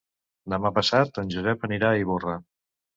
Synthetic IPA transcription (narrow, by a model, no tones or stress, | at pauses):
d̪əmapəsat̪ənʲʒuzɛpəniɾaiβora